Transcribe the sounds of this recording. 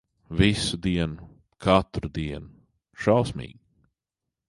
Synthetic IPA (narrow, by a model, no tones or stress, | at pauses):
visud̪iɛnʊ | kʰat̪ɾd̪iɛnʊ | ʃawsmḭːɡ